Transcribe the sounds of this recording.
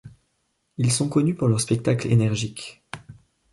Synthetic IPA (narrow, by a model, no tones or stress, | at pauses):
ilsɔ̃kɔnypuʁlœʁspɛk̚t̪aklḛnɛʁʒik